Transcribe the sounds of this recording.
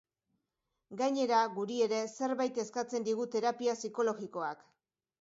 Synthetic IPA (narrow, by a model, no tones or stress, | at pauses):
ɡajɲe̞ɾaɣuɾie̞ɾe̞se̞ɾβajt̪e̞skat͡se̞nd̪iɣ̞ut̪e̞ɾapiasiko̞lo̞ɣiko̞ak